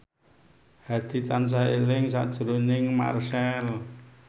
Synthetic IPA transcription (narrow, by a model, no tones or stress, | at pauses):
had̪̥i̤t̪ans̬aelɪŋsa̰d̥ʒ̥əɾonɪŋma̰rsɛl